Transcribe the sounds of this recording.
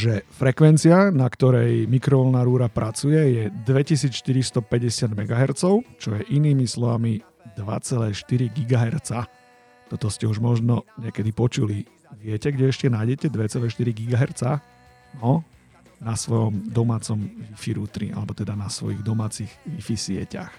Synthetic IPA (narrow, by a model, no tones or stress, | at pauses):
ʒɛfɾɛkʋɛnt͡siɪanakt̪ɔɾɛjmikɾɔʋɔlnaɾuːɾapɾʔat͡sujɛjɛd̪ʋɛcisiːt͡sʃt̪iɾist̪ɔpɛɟɛsɪad̪mɛɡaɦɛɾt͡sɔʊt͡ʃɔjɛʔiniːmislɔʋami | d̪ʋa̰t͡sɛlɛːʃt̪iɾiɡiɡaɦɛɾt͡sa | t̪ɔt̪ɔscɛuʒmɔʒnɔɲɛkɛd̪ipɔt͡ʃuli | ʋɪɛcɛɡɟɛɛʃcɛnaːjɟɛcɛd̪ʋɛt͡sɛlɛːʃt̪iɾiɡiɡaɦɛɾt͡sa | nɔ | nasʋɔjɔmd̪ɔmaːt͡sɔmʋifiɾuːt̪ɾḭa̰lɛbɔt̪ɛd̪anasʋɔ̰jiɣd̪ɔmaːt͡siɣʋifisɪɛ̰ca̰x